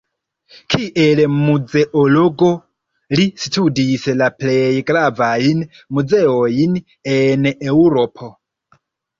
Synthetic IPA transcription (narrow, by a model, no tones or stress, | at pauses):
kʰiʔelmud͡ze̞ʔolo̞ɡo̞ | listʰudislaplejɡɾavajn | mud͡ze̞ojin | enewɾo̞pʰo